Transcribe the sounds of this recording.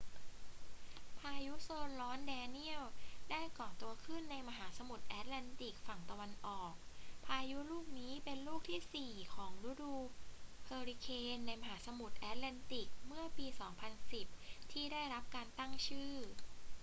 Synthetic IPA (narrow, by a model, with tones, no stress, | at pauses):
pʰaː˧ju˦˥soː˧nlɔː˦˥ndɛː˧ni˥˩əwdaː˥˩jkɔː˨˩nt̪u˧ɐkʰɯ˥˩nːa˧jma˧ɦaː˩˦sa˧mu˨˩t̪̚ʔɛː˦˥t̪̚lɛ˧nt̪i˨˩k̚fa˨˩ŋt̪a˧wa˧nʔɔː˨˩k̚pʰaː˧ju˦˥luː˥˩k̚niː˦˥pe˧nluː˥˩k̚t̪ʰiː˥˩siː˨˩kʰɔː˩˦ŋɾuː˦˥duː˧pʰɤː˧ɾi˧kʰeː˧nːa˧jma˧ɦaː˩˦sa˧mu˨˩t̪̚ʔɛː˦˥t̪̚lɛː˧nt̪i˨˩k̚mɯ˥˩ɐpiː˧sɔː˩˦ŋpʰa˧nsi˨˩p̚t̪ʰiː˥˩daː˥˩jɾa˦˥p̚kaː˧nt̪a˥˩ŋt͡ɕʰɯː˥˩